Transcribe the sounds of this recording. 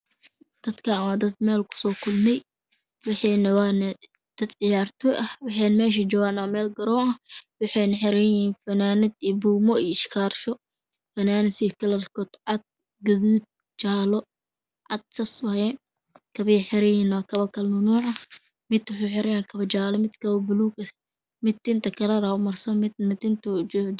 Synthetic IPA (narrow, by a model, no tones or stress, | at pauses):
d̪̥ɐd̪kʰɐmaːd̪ɐd̪mɛːlkʰʊ̥sɔːkʰʊlmɛj | wɑħɑːnɐwaːnɐ | d̪̥ɐd̪ʕɪjaːrt̪ʰɔʔɐhwɑħɑjnmɛːʃ̬ɐd͡ʒɔːɣaːnaːmɛːlɡɐɾɔːɐhwɑħɛjnɐħɪɾɛjiːnfɐnaːnɪd̪iːbuːmɔiːɪʃkʰaːrʃɔ | fɐnaːnɪsikʰɐlɐrkʰɔːd̪ʕɑd̪̚ | ɡɐðuːd̪̚ | t͡ʃaːlɔ | ʕɑd̪̚sɐswɐhɛː | kʰɐβɐjħɪɾɛjɪːnwakʰɐβɐkʰɐlnʊnuːʕɐ | mɪd̪wʊħujħɪɾʔɐjaːŋkʰɐβɐt͡ʃaːlɔmɪd̪kʰɐβɐbʊluːkɐ | mɪd̪̚ɪnt̪ʰɐkʰɐlɐɾaʊmɐrsɐmɪd̪nɐt̪ɪnt̪ʰʊd͡ʒ